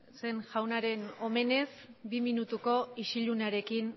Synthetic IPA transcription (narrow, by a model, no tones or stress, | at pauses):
se̞nʝawnaɾe̞no̞me̞ne̞sbiminut̪uko̞iʃiʎunaɾe̞kin